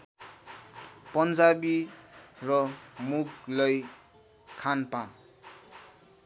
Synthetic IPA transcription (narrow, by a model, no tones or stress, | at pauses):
pʌnd͡zabi | rʌmuɡlʌj | kʰanpa